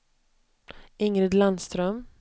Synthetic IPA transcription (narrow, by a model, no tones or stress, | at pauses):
ɪŋɾɪd̪land̪st̪ɾœm